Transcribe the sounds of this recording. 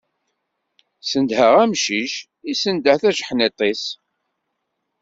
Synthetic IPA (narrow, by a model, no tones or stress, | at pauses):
sənd̪həʁæmʃiʃ | isənd̪əhθæʒħnet̪ˤes